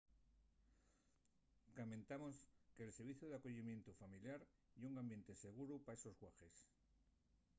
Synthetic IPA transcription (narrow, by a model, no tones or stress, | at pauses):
kamẽ̞nt̪amo̞ske̞ːlse̞ɾβiθjuðeakoʝimje̞nt̪ufamiljaɾ | iuŋambje̞nt̪e̞se̞ɣ̞uɾupae̞sozɣwaxe̞s